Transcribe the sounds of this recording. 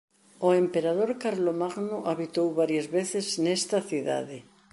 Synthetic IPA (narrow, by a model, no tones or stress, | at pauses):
oempeɾað̞oɾkaɾlomaɣnoʔaβit̪owβaɾjazβeθɪznest̪ɐθiða̰ðɪ